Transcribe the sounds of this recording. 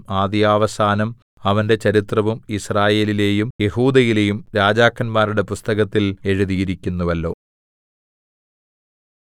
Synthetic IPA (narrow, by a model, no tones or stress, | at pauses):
aːd̪jaːʋɐsaːnɐm | ɐʋɐnde̞t͡ɕɐɾit̪rɐʋumisraːje̞ːlile̞ːjumje̞huːd̪ɐjile̞jumɾaːd͡ʑaːkːɐnmaːɾuɽe̞pust̪ɐɣɐt̪ːile̞ɻuðijiɾikʲːunːuʋɐlːo̞ː